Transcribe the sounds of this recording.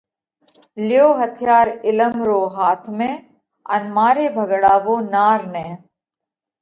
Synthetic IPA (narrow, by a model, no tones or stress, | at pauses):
lɪjoːɦət̪ʰjaːɾɪləmɾoːɦaːt̪ʰmẽː | ɐ̰nmaːɾeːbʱəɡɽaːʋoːnaːɾnẽː